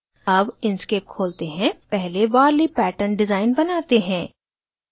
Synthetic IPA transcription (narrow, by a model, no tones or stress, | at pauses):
ɐbɪnskeːp̚kʰoːlt̪eɦɛ̃pɛɦleʋaːɾlipɛːʈənɖɪzaːɪnbɐnaːt̪eɦɛ̃ː